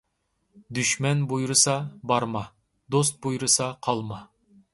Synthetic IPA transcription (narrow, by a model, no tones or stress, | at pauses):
d̪yʃmɛnbujɾɨsɑbɑɾmɑ | d̪ost̪̚bujɾɨsɑqʰɑlˠmɑ